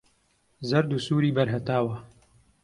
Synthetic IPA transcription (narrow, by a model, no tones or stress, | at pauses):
zɐɾd̪usuːɾiːbɐɾɦɐt̪aːwɐ